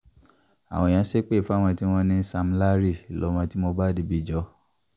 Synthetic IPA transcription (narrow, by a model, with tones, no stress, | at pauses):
a̰˨w̃ɔ̃˧˨jã˨˦ʃe˦k͡pe˦˨fu˨˦a˦w̃ɔ̃˧ti˦w̃ɔ̃˧nĩ˧˦sa˧m̩˦la˦ɾi˦˨i˨lɔ̰˨˦mã˧ti˦mo˧ba˦di˧˦bi˧d͡ʒɔ˧˦